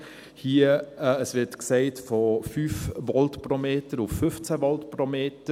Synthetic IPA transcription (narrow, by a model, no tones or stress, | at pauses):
hiːəəsvɪtkseɪtfɔfyːfvɔltpɾomeːtəɾʊfːʏft͡sɛvɔltpɾomeːtə